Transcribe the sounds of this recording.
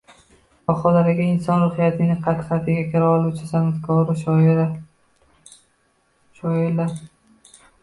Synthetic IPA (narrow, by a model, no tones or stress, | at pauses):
bɒqʰɒlaɾɪɡʲaɪnsɒnɾʊhijat̪ʰɪnɪqʰɑt̪ʰqʰat̪ʰɪɡʲakʲʰɪɾaɒlˠut͡ʃʰɪsanɪfkʰɒɾɪ | ʃɒɪɾlaɾ